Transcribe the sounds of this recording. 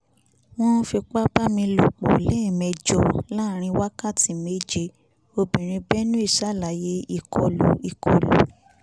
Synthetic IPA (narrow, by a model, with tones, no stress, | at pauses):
w̃ɔ̃˦fi˧k͡pa˦ba˦mĩ˧lo˧˨k͡po̰˨lɛ˦˨mɛ˨d͡ʒɔ˨la˦˨ɾ̃ĩ˧wa˦ka˦˨ti˨me˦d͡ʒe˧ | o˧bĩ˨ɾ̃ĩ˧bɛ˦nũ˦i˦˨ʃa˦˨la˨je˧˦i˦˧˨kɔ˨˧lu˨i˨kʰɔ˧˨lṵ˨˦